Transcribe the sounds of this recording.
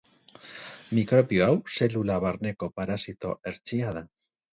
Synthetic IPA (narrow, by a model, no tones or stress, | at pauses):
mikɾo̞βioawse̞lulaβaɾne̞ko̞paɾasit̪o̞̰e̞ɾt͡siað̞a